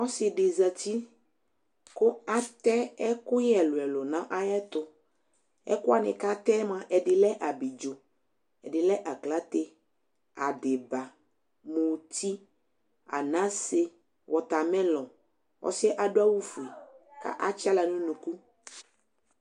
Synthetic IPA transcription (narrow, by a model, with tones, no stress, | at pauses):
ɔ˦sɪ˨ɖɪ˨za˨t̪i˦ | kʊ˦a˦t̪ɛ˦ɛ˦kʊ˦jɛ˨lʊ˨ɛ˨lʊ˨nã˦ʔa˦jɛ˦t̪ʊ˦ | ɛ̰˦kʊ˦a˨nɪ̰̃˨ka˦t̪ɛ˦mã˨ʔɛ˨dɪ˨lɛ˦ʔa˨bi˨d͡ʒo˨ | ɛ˨ɖɪ˨lɛ˦ʔa˨kla˦t̪e˦ | a˨dɪ˨ba˨ | mũ˨t̪ʰi˦ | a̰˨nã˦se˦ | wʔɔ˨t̪a˨mɛ̃˦lɔ˨ | wɔ̰˦sɪ˦ɛ˦ʔa˨dʊ˦a˦wu˦fu˨i˨ka̰˦ʔa˦t͡ʃa˦la˨nũ˦nũ˨ku˦